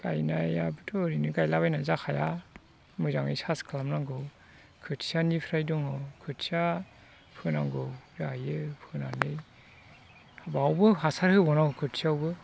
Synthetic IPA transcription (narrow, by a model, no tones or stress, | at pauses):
ɡ̥ajnajabɯtʰɔɾinɯɡajlabajnazakʰaja | mɯzaŋnɯjsaskʰlamnaŋɡɯw | kʰɯtsianipʰɾajdɔŋɔkʰɯt̚sia | pʰɯnaŋɡɯwɾajɯpʰɯna̰nɯj | habawbɯhasaɾhɯbɔnaŋɯkʰɯtsiawbɯ